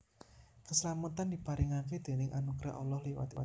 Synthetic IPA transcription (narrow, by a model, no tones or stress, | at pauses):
kəslamət̪and̪ib̥a̤ɾɪŋaked̪̥e̤nɪŋʔanuɡ̥ɾa̰ɦʔɔlɔhlewa̰t̪